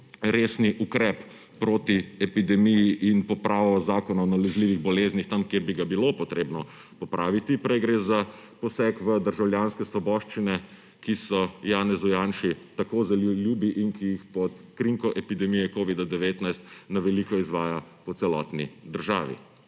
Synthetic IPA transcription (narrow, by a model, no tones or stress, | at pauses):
ɾeːsniʔukɾɛpː | ɾoːt̪iɛpid̪ɛmijiʔinpɔpɾaːʋɔzaːkɔnanalɛzliːʋiɣbɔleːznixt̪amkjeɾbiɡabilopɔt̪ɾeːbnɔ | pɔpɾʔaːʋit̪ipɾɛjɡɾeza | pɔsɛkʋəd̪əɾʒawljaːnskɛsʋɔbɔʃt͡ʃinɛ | kisɔjaːnɛzujaːnʃit̪akoːzɐlljuːbiʔinkijixpɔt̪kɾiŋkɔʔɛpid̪ɛmijɛkoːʋid̪ad̪ɛʋeːt̪najst̪naʋɛlikɔizʋaːjapɔt̪sɛlɔːt̪nḭd̪əɾʒa̰ːʋḭ